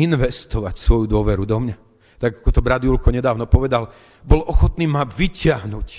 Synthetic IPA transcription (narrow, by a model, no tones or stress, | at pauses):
inʋɛst̪ɔʋacsʋɔjud̪ʊɔʋɛɾud̪ɔmɲa | t̪aɡakɔt̪ɔbɾad̪ulkɔɲɛd̪aːʊnɔpɔʋɛd̪al | bɔlɔxɔt̪niːmaʋicɪaɦnuc